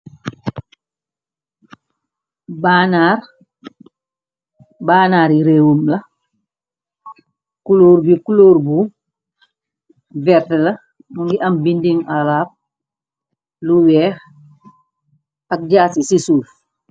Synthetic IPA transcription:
banaːɾ | baːnaːɾiɾewumlɐ | kuloːɾbikuloːɾbu | vɛɾtɐlɐ | muŋɡiʔambindiŋalaːp̚ | luwɛːx | ak̚ɟaːsisisuːf

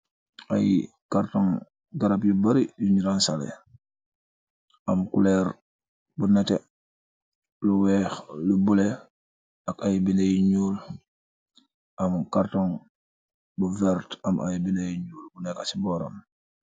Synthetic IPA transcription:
ʔaj | kaɾtɔŋ | ɡaɾabjubaɾijuɲiɾansalḛ | ʔamkulɛɾ | bunɛtɛ | luwɛːxlubule | akajbilejiɲuːl | ʔɐmkaɾtɔŋ | buvɛɾtamʔa̰jbilejiɲuːlbunɛkasibɔːɾa̰m

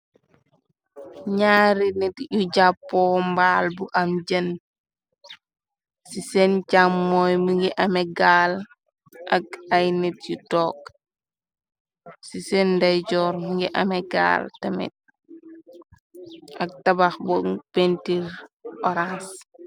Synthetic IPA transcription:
ɲaːɾinɛtjuɟapːɔmbaːlbuʔɐmd͡ʒɐn | sisɛnt͡ʃamːɔjmuŋɡiʔɐmɛɡal | ʔɐk̚ɐjnet̚jutɔːk̚ | sisɛndɐjɟɔːɾmuŋɡiʔɐ̰mɛɡa̰ːltɐmɛ̰t̚ | ɐk̚tɐbaxbɔŋpentiɾʔɔɾas

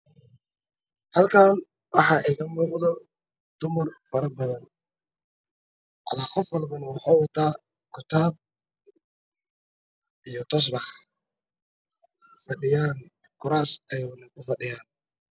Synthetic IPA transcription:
hɐlkʰaːn | wɑħɑːʔɛɣɐmuːqðɔ | d̪̥ʊmɐrfɐɾɐbɐðɐn | ʔɑ̰laːqɔfwɑlbɐnɐwɑħaːwɑt̪ʰaː | kʰʊt̪ʰaːb̚ | ʔijɔt̪ʰɐs̬bɑħ | fɐɗɪjaːn | kʰʊɾaːsɐjɐɣnɐkʰʊfɐɖɪjaːn

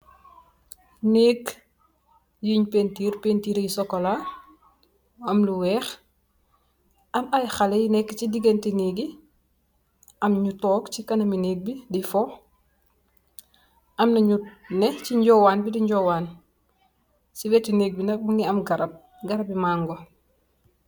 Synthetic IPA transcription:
neːɡ | jiɲpentiːɾpentiːɾejisɔkːɔla | ɐmluwɛːx | ɐmajxalɛjinɛkːcidiɡentineɡi | ɐmɲutɔːkt͡ʃikɐnɐmineːɡ̚bidifɔ | ʔɐmnɐɲut̚nɛciɲɟɔwanbidiɲɟɔwaːn | sibɛtineːɡ̚binɐk̚buŋiɐmɡɐɾɐb̚ | ɡɐɾɐbimaːŋɡo

